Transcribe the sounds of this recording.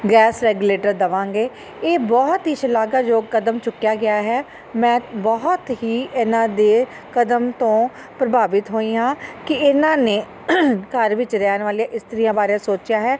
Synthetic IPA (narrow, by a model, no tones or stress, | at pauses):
ɡɛːsɾɛːɡuleːʈəɾd̪əʋãːŋɡeː | eːbɔːt̪ɦiːʃəlaːɡaːd͡ʒoːkəd̪əmt͡ʃʊkːɪjaːɡɪaːɦɛː | mɛ̃ːbɔɦt̪ɦiːʔɪnãːd̪eː | kəd̪əmt̪õː | pɾəbʱaːʋɪt̪ɦoːiːɦãːkɪɪnãːneː | kəɾʋɪt͡ʃɾɛːnʋaːlijãːʔɪst̪əɾiːjãːbaːɾeãːsoːt͡ʃɪjaːɦɛː